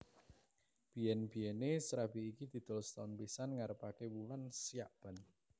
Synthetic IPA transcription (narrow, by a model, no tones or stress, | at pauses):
b̥iɛnb̥ijɛnesɾabiːkid̪̥i̤d̪̥ɔ̤lst̪aʊnpisanŋaɾəpakewulansijaʔb̥a̤n